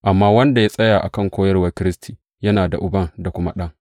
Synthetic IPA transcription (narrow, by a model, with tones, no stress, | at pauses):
ʔa˨mːaː˦wɐ˦nda˨ja˦sʼɐ˦jaː˨ʔa̰˨kɐ˦˨ŋkʷoː˦jɐ˦rwɐ˦rkʲɪ˦ɾɪ˦stʰiː˨ | jɐ˦naː˨da̰˨ʔʊ˨bɐ˦ŋda˨kʷʊ˦ma˦ɗɐ˦ŋ